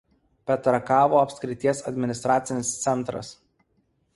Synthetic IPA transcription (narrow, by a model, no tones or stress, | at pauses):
pʲɛt̪ɾɐkɑːʋoːɐpʲsʲkʲɾʲɪt̪ʲiɛsɐd̪ʲmʲɪnʲɪst̪ɾaːt̪sʲɪnʲɪst̪sʲɛnˑt̪ɾɐ̰s